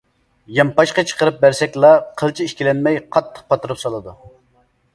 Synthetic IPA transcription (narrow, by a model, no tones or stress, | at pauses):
jɑmpɑʃqɑt͡ʃʰə̥qʰəɾɨp̚bæɾsɛkʲlˠɑqʰəlˠt͡ʃʰiiʃkʲilɛnmɛjqʰɑt̪ʰːə̥q̚pʰɑt̪ɨɾɨpsɑlˠɨd̪u